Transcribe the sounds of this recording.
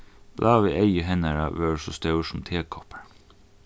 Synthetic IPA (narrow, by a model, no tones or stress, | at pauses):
b̥lʔɑːʋɪʔɛjəɦɛnaɹa̰ʋɛːɹsɔst̪œʉsʊmt̪ʰeːkʰɔpaɹ